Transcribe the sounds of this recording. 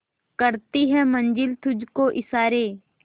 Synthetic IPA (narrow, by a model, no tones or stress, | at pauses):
kəɾt̪iɦɛmə̃nd͡ʒɪlt̪ʰʊd͡ʒkoʔɪsaːɾeː